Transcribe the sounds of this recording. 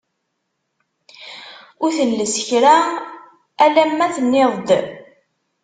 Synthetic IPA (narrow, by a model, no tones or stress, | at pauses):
ʊɾθəlːəsəçɾa | ælæmːæθənːeðˤd̪